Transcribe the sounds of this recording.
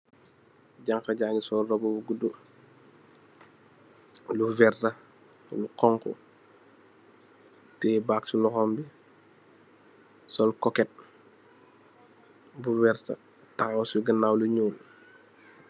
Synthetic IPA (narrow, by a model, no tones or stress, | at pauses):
ɟaŋkɐɟaɲisɔlrɔbɔbuɡudu | luvɛrtɐ | lukɔŋkɔ̰ | tɛbaːksulɔxɔmbi | sɔlkɔkɛt̚ | buwɛɾtɐ̰ | tawsuɡənawluɲuːn